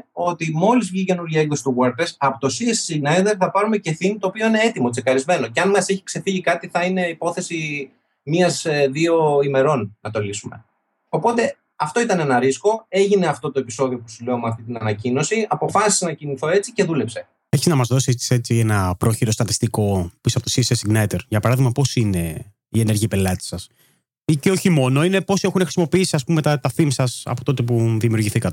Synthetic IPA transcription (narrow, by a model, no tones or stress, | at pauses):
o̞t̪imo̞lizvʝice̞nuɾʝɐe̞kðo̞si̥t̪uɣwɐɾt̪ɾesɐpot̪osiessinend̪eɾθɐpɐɾume̞ce̞θinit̪oːpio̞ine̞et̪imo̞t͡sekɐɾizme̞noceɐnmɐse̞çi̥kse̞θiʝikɐt̪iθɐine̞ipo̞θe̞si | miɐzðio̞ime̞ɾo̞nːɐt̪o̞lisume̞̰ | o̞po̞t̪e̞ | ɐft̪o̞it̪ɐne̞nɐɾisko̞e̞ʝineɐft̪o̞t̪o̞e̞piso̞ðio̞pu̥sule̞omeɐft̪it̪inɐnɐcino̞siɐpo̞fɐsi̥senɐciniθo̞e̞t͡sice̞ðule̞pse̞ | eçiznɐmɐzðo̞sii̥se̞t͡sienɐpɾo̞çiɾo̞st̪ɐt̪ist̪iko̞pisoɐpot̪isisesiŋɡnɐjt̪eɾʝɐpɐɾɐðiɣmɐpo̞sine̞ | iene̞ɾʝiɐpe̞lɐt̪i̥sɐs | iceo̞çimo̞no̞ine̞po̞sie̞xunexɾisimopiisiɐspumet̪ɐt̪ɐθimsɐsɐ̰po̞̥t̪o̞t̪e̞p̬uðimiuɾʝiθikɐt̪e̥